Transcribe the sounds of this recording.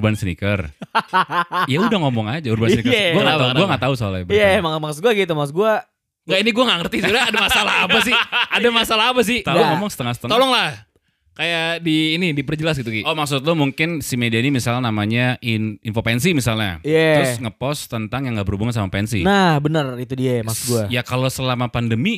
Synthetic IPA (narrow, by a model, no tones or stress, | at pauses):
ubansənḭkər | jaudaŋɔmɔŋad͡ʒaurbansənikəɡuaŋaaɡuaŋɡaʔt̪ausola̰bəjamamaŋs̚ɡuaɡit̪umasɡua | ɡainiɡuaŋaʔŋərt̪isuɾaadamasalaɦapasɪhadamasalaapas̬ɪht̪aɡaŋɔmɔŋsə̥t̪əŋahsət̪əŋt̪ɔlɔŋlah | kajaʔdiːnidipərd͡ʒəlas̬ɡit̪uɡiomaksʊt̪lʊmuŋkɪnsimediainimisalnamaɲaʔininfopɛnsimisalɲa̰ijaɾʊsŋəpɔst̪ənt̪aŋjaŋɡaʔbəɾubuŋans̬amapɛnsḭnahbənərit̪udiajmaksʊ̥ɡuajakalosəlamapandəmi